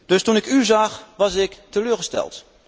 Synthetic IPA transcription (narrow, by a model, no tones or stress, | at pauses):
d̥ɵstunɪkyzɑxʋɑsɪktəløːɹɣəstɛ̰lˠt